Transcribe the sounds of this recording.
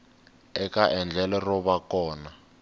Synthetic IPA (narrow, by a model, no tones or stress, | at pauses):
ɛkaʔɛnd͡ɮʱɛlɛrɔβakɔːna